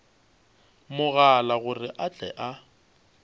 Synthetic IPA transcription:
mʊɣalaɣʊrɪʔat͡ɬʼɛ̰ʔa

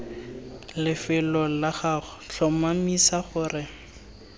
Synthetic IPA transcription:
lɪfɪlɔlaχaɬʰɔmamisaχʊːrɪ

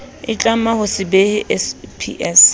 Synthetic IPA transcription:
ɪt͡ɬʼamahʊsɪbehɪʔɛspʰḭʔɛs

